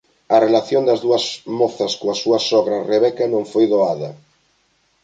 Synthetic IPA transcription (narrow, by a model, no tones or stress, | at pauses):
ɐrelaθjond̪ɐzðuɐzmɔθɐskoɐsuɐsɔɣɾɐreβɛkɐnõŋfojðoaðɐ